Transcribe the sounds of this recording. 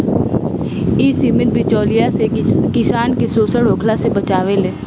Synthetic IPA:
iːsimɪt̪̚bʱit͡ʃɔːlijasekɪsaːnkesoːsəɽɦoːkʰlasebɐt͡ʃaːʋeleː

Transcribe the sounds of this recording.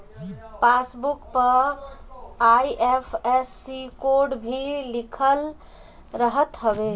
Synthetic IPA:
pasbukpə | ajʔepʰesːikoɾɖbʱilikʰəl | ɾəɦət̪ɦəbe

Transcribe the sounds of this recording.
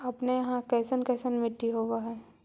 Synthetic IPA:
ɐpnejɐɦãkɛːsənkɛːsənmɪʈːiɦoːʋaɦɛː

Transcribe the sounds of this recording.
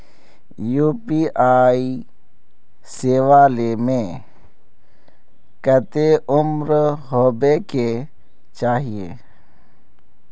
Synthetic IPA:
juːpiaːi | seːʋaːlemẽ | kət̪eʊmɾɦoːbeke | t͡ʃaːɦiḛː

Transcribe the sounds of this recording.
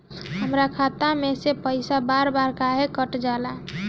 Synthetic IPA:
ɦəmɾakʰat̪amesepəɪsabaɾbaɾkaɦekəʈd͡ʒala

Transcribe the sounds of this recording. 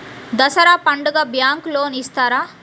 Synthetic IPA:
d̪ɐsɐɾaːpɐɳɖuɡaːbjaːŋkloːnist̪aːɾaː

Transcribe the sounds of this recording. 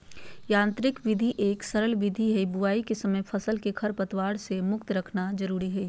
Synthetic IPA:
jãːnt̪ɾɪkʋɪd̪ʱiʔeːksɐɾəlʋɪd̪ʱiɦɛibʊaːikesɐməjpʰɐsəlkekʰɐɾpɐt̪waːɽsemʊkt̪ɾɐkʰnazəɾuːɾiɦɛ

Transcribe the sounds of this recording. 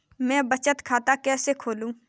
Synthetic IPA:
mɛ̃ːbət͡ʃət̪kʰaːt̪akɛːsekʰoːlũː

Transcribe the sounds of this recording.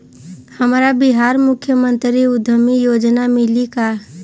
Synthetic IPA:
həmɾabɪɦaːɾmʊkʰjəmə̃nt̪ɾiʊd̪ʱəmijoːd͡ʒnamɪlika

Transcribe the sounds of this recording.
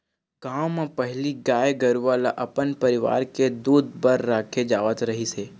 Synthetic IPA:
ɡ̥aːwmãpɐɦliɡaːjɡəɾʋalaʔɐpənpɐɾɪʋa̰ːɾked̪uːd̪bəɾːaːkʰed͡ʒaːʋət̪ɾɐɦiseː

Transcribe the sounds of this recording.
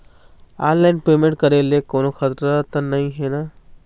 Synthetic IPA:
anlaɪnpeːmẽɳʈ̚kəɾelekoːnoxət̪ɾət̪ənaɦĩɦena

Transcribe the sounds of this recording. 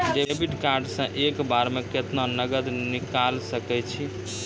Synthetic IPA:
ɖebiʈkaɾɖsə̃ʔekbaɾmeket̪nanəɡəd̪nikalsəkɛt͡ʃʰi

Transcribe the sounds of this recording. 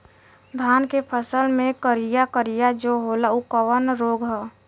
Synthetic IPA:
d̪ʱaːnkepʰəsəlmẽkəɾijakəɾijad͡ʒoɦoːlaukəʋənɾoːɡɦɛː

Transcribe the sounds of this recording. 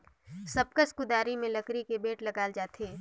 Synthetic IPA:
sɐb̚kəskʊd̪aːɾimẽlɐkɾikebeːʈlɐɡaːld͡ʒaːt̪eː

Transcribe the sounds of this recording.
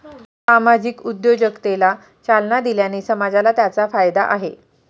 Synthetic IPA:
samad͡ʑiːkud̪jod͡ʑəkt̪ela | t͡ɕalnad̪iljaniːsəmad͡zalat̪jat͡safajd̪aʔaɦe

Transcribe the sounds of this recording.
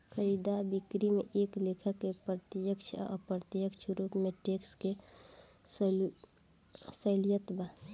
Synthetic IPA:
kʰəid̪abikɾimeʔeːklekʰəkːepɾət̪jəkt͡ʃʰɔ̰ə̰pɾət̪jəkt͡ʃʰɾuːpmẽʈekske | sl | səljət̪ba

